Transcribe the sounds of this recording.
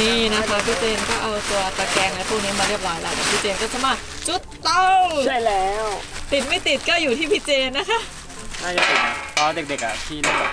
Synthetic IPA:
iː˦˥˩na˦˥pʰɔː˧pʰi˦˥t͡ɕeː˧nkɔː˥˩ʔa˧wt̪u˧ɐt̪a˧kɛː˧ŋla˦˥pʰuː˥˩k̚niː˦˥maː˧ɾi˥˩əp̚ɾɔː˦˥jla̰ː˨˦˩k̪a˨˩pʰi˦˥˩t͡ɕeː˧nkɔ˥˩t͡ɕʰa˧˥maː˥˩t͡ɕu˦˥t̪ːa˧wʰa˥˩jlɛː˦˥wt̪i˨˩t̪̚ma˥˩jt̪i˨˩t̪̚kɔː˥˩juː˨˩t̪ʰiː˥˩pʰi˦˥t͡ɕeː˧nːa˦˥kʰa˦˥ | naː˥˩ja˨˧˩e˨˩n˧˩ʔɔː˧de˨˩k̚de˨˩k̚ʔa̰˨˩t̪ʰiː˥˩lu˥˩p̚a˧˩

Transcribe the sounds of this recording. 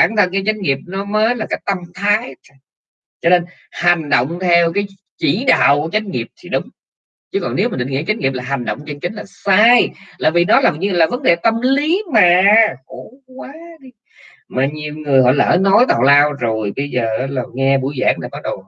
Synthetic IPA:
aː˧˩nt̪ʰə˧˩nkaː˨˦jt͡ɕa˨˦jŋ̟ŋi˨˩əp̚nɔ˨˦məː˨˦jlaː˨˩ka˦˥jk̚t̪ə˧mt̪ʰaː˨˦j | t͡ɕɔ˧ne˧n | ha˨˩jŋ̟ɗo̰˧˨wŋ͡mt̪ʰɛ˧wkaː˨˦j | t͡ɕi˧˩ɗa̰ː˧˨wku˧˩ət͡ɕa˨˦jŋ̟̚ŋi˨˩əp̚t̪ʰi˨˩ɗʊ˨˦ŋ͡m | t͡ɕɨ˨˦kɔ˨˩ne˨˦wm˨˩ɗŋi˧˦t͡ɕa˨˦j̟ŋi˨˩plaː˨˩ɦa˨˩ŋ̟ɗo̰˧˨wŋ͡mt͡ɕə˧nt͡ɕï˨˦ŋ̟laː˨˩saː˧jlaː˨˩vi˨˩nɔ˨˦laː˨˩ɲɨ˧laː˨˩və˨˦nɗe˨˩t̪ə˧mli˨˦maː˨˩xo˧˩kwaː˨˦ɗi˧ | maː˨˩ɲi˨˩əwŋɨ˨˩əjhɔ̰˧˨jla̰ː˨˩ʔəː˧˩nɔ˨˦jt̪aː˨˩wlaː˧wzo˨˩jɓə˧jzəː˨˩˦la˨˩wŋɛ˧ɓṵ˧˩jza̰ː˧˥nɗaː˨˩kɔ˨˦ɗə˨˩w

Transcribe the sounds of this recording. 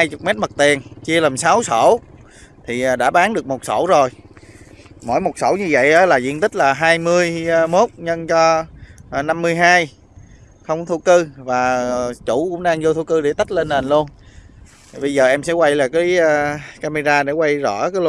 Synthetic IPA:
haː˧jt͡ɕʊ˨˩k͡p̚mɛ˦˥t̚mə˨˩t̪i˨˩ənt͡ɕi˧əlaː˨˩msa˨˦wso˧˩ | t̪ʰi˨˩ʔɗa̰ː˧˥ɓaː˨˦nɗɨ˨˩ək̚mo˨˩t̚so̰˧˩wzo˨˩j | mo̰˧˥jmo˨˩t̚so̰˧˩wɲɨ˧və̰˧˨jʔəː˨˦laː˨˩zḭ˧ənt̪ï˦˥k̟̚laː˨˩ɦaː˧jmɨ˧əjmo˦˥t̚ɲə˧nt͡ɕɔ˧ | na˧mːɨ˧əjɦaː˧j | xə˧wŋ͡mt̪ʰu˧kɨ˧vaː˨˩t͡ɕṵ˧˩kʊ̰˧˥ŋ͡mɗaː˧ŋzo˧t̪ʰu˧kɨ˧ɗe˧˩t̪ə˦˥t̚le˧nːe˨˩nlu˧ən | t̪ʰi˨˩ɓə˧jzəː˨˩ʔɛ˧msɛ̰˧˥kwa˧jlaː˨˩kaː˨˦jkaː˧me˧zaː˧ɗe˧˩˥kwa˧jzɔ̰˧˩kaː˨˦l

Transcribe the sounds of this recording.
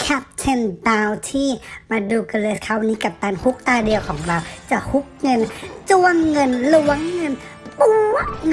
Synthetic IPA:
kʰɛ˦˥p̚t͡ɕʰe˧nbaː˧wt̪ʰiː˥˩maː˧duː˧ka˧leː˧skʰa˦˥˩wa˧nːiː˦˥ka˨˩p̚t̪aː˧nhu˦˥k̚t̪aː˧di˧ɐwkʰɔː˩˦ŋɾa˧wt͡ɕa˨˩hu˦˥k̚ŋɤ˧nt͡ɕu˧˩əŋːɤ˧nlu˨˧˦ɐŋːɤ˧n | pu˧

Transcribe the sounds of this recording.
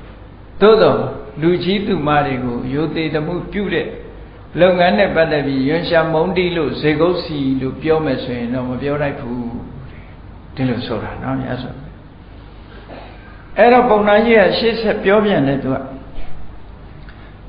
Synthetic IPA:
d̪̥o̰˦˨d̪ɔ˨lu˨t͡ɕi˦t̪u˨ma˦˨de˨ɡo˨jo˨t̪e˨d̪əmṵ˦˨pjṵ˦˨ɾɛ˦˨ | lo˦ʊʔŋã˦nɛ˦˨pa˦t̪ɛ˦˨pːji˦jʊ̃˨ʃa˨mõ˦ʊ̃nti˦lo̰˦˨ze˨ɡo˦ʊʔsi˨lo̰˦˨pjɔ˦mɛ˨sʰo˨jɪ̃˨ndɔ̰˦˨məpjɔ˦la˦ɪpʰːu˦ | d̥i˨lo˨sʰo˨ɾa˨nɔ̰˦ja̰˦zo̰˨ | ʔɛ˦˨ɾɔ˨põ˨ʊ̃na˦d͡ʑi˦ɡa̰˦˨ʃḛ˦˨sʰɛ˦˨pjɔ˦bjã˨ndɛ̰˦˨t̪u˨a̰˦˨

